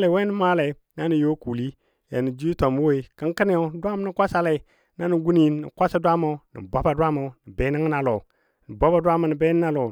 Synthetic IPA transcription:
le˨we˦ni˦maː˦la˨i˨ | na˦ni˨jo˦ku˨li˦ | ja˨ni˨d͡ʒu˦i˦to˨m˦wo˦i˨˦kə˦ŋ˦kɨ˦ni˦o˨˦dʷa˦m˦ni˦kʷa˦sa˦la˨i˨ | na˦ni˨ɡu˦ni˨nḭ˨kʷa˦sa˦dʷa˦mo˨˦nḭ˨bo˦ba˨dʷa˦mo˨˦ni˨be˦ni˦ŋ˦na˨lo˨ | ni˨bo˦ba˨dʷa˦ma˨ni˨be˦n˦na˦lo˨

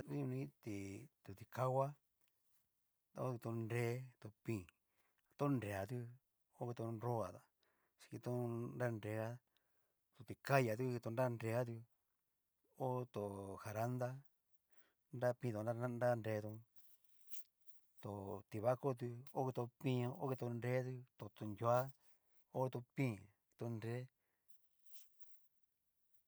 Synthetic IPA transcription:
i˦ɲũ˧nĩ˦t̪i˧˨t̪u˨˧t̪i˧ka˦wa˦ | o˦˧t̪o˧nɾe˧˦t̪o˧pĩ˦˧˨ | t̪o˦nɾe˧˨a˨t̪̬u˧ | o˦ki˧t̪o˧nɾo˦a˨t̪a˨ | ʃi̥˧ki˧t̪o˦nɾa˦˧nɾe˧ɣa˦ | t̪o˧t̪i˧ka˦ja˨˧t̪̬u˦˧i˧t̪o˧nɾa˦˧nɾe˧ɣa˦t̪̬u˧ | o˦t̪o˨xa˨ɾa˦nd̪a˦ | nɾa˦˧pĩ˧t̪o˨˧a˦a˦nɾa˦˧nɾe˧t̪õ˧ | t̪o˨t̪i˧βa˦ko˦t̪̬u˧o˦ki˧t̪o˧pĩ˧o˦ki˧t̪o˧nɾe˦t̪̬u˧t̪o˨t̪o˧nja˦ | o˦ki˧t̪o˧pĩ˦˨ki̥˧t̪o˧nɾe˦

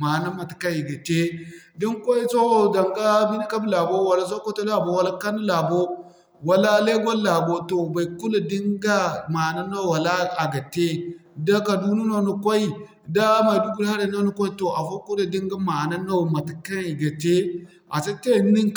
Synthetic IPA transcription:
ma˨na˦ma˨ti̥˨ka˦ŋi˨ɡa˨te˦ | di˦ŋkʷo˦i˦so˦˨da˨ŋɡa˦bi˦ni˦ka˦bla˨bo˦wa˨la˦s̬o˦ko˦to˦la˦˨bo˨wa˨la˦ka˦nu˦la˨bo˦ | wa˨la˦le˦ɡʷo˦la˨bo˦to˨ba˨ku˦la˨di˦ŋɡa˦ma˨na˦no˦˨wa˨la˦a˨ɡa˨te˦da˦ka˨du˦nu˦no˦nu˨kʷa˦i˦ | da˦ma˨du˦ɡu˨la˦ɾe˨˦no˦nu˦kʷa˦i˦to˨ʔa˨fo˦ku˦da˨di˦ŋɡa˦ma˨na˦no˦˨ma˨ti̥˨ka˦ŋi˨ɡa˨te˦ | ʔa̰˨sa˦te˦ni˦ŋk

